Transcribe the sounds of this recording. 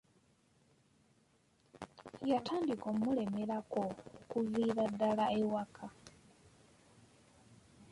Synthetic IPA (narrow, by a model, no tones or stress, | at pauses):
jatʰaːndikomule̞meɾakokuviːɾadːalaewakʰa